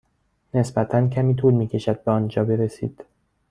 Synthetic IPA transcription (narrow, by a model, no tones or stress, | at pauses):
ne̞sbæt̪ʰæncʲʰæmiːt̪ʰuːlmiːcʰʲe̞ʃæd̪̚beɒːnd͡ʒɒːbe̞ɾesḭːd̪̥